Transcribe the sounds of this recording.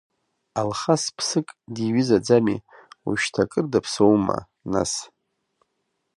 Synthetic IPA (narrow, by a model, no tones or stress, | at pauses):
alχaspʰsɨkʼdiɥizad͡zamḭṵʃtʰakʼɨrdapʰsowma̰ | na̰s